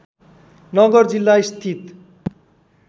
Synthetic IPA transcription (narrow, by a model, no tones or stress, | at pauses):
nɔɡoɾd͡ʑilːajst̪ʰit̪